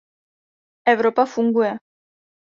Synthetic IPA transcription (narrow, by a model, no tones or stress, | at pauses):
ewɾopafuŋɡue